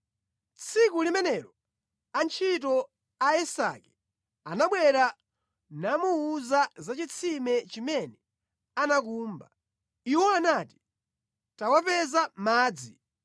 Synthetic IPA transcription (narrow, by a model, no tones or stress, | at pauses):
t͡sʰik̬ulimɛnɛɾɔ | ant͡ʃʰit̬ɔ | aɛsa̰kɛ | anaɓwɛɾa | namuuzazat͡ʃit͡sʰimɛt͡ʃimɛnɛ | anakuːmba | iwɔanati̥ | tawapɛzamaːd͡zḭ